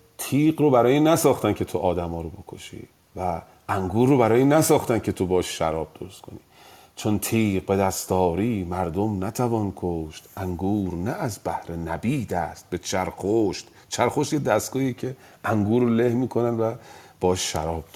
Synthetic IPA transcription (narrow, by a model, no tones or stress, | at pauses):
t̪ʰiːqɾobæɾɒːjinæsɒːxt̪ænkʰe̞t̪ʰoʔɒːd̪æmɒːɾobo̞kʰo̞ʃḭː | væ | æŋɡuːɾːobæɾɒːjinæsɒːxt̪ænkcʰe̞t̪ʰobɒːʃʃæɾɒːb̚d̪oɾost̪kʰoniː | t͡ʃʰont̪ʰiːq̚be̞d̪æst̪ɒːɾiːmæɾd̪omnæt̪ʰævɒːnkʰoʃt̪ʔæŋɡuːɾnæʔːzbæhɾenæbiːd̪æst̪̚be̞t͡ʃʰæɾxoʃt̪ | t͡ʃʰæɾxoʃt̪jed̪æst̪ɡ̥ɒːiecʰeæŋɡuːɾolehmiːkʰo̞nænvæb̥ɒːʃʃæɾɒːb̥̪̚